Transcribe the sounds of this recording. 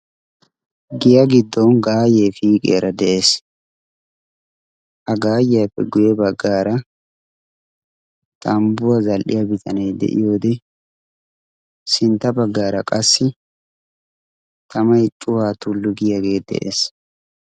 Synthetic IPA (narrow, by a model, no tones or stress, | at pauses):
ɡɪjaɡɪd̪ːɔnɡaːjeːfiːkʼḛːɾɐd̪ɛʔe̞ːs | ʔɐɡaːjjapːɛɡʊjɛbɐɡːaːɾɐ | t̪ɐmbʊwɐzɐlʔɪjabɪt̪ʰɐnɐjd̪ɛ̰ʔɪ̰jo̞ːd̪ɛ | sɪnt̪ːɐbɐɡːaːɾɐkʼɐsːɪ | t̪ʰɐmɐjt͡ʃʼʊhaːt̪ʊlːʊɡɪjɐɡe̞ːd̪ɛ̰ʔḛːs